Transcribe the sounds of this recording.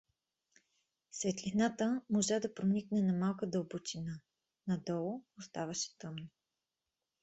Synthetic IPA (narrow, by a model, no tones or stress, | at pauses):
svɛt̪linat̪əmoʒad̪ɐpɾoniknɛnɐmalˠkəd̪əlˠbot͡ʃina | nɐd̪ɔlˠʊost̪avɐʃɛ̥t̪ɤmno